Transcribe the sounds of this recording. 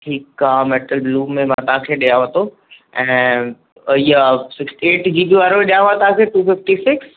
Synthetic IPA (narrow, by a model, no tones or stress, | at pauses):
ʈʰiːkaːmeːʈəlbluːmẽmãt̪ɐɦãkʰeːɗijaʋət̪o | ɛ̃ː | iːasɪksʈieːʈd͡ʑiːbɪʋaːɾoiɗijaʋat̪aãkʰeːʈuːfɪfʈisɪks